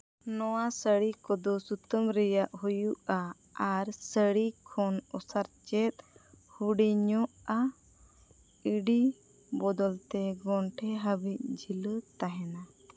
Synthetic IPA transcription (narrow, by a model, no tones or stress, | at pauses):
nɔwasəɽikɔd̪ɔsut̪əmɾɛjaʔɦujuʔa | aɾsəɽikʰɔnɔsaɾt͡ʃɛt̪̚ | huɽiɲɔʔa | iɖi | bɔd̪ɔlt̪ɛɡɔɳʈʰɛɦəbic̪̚d͡ʒʱilət̪aɦɛna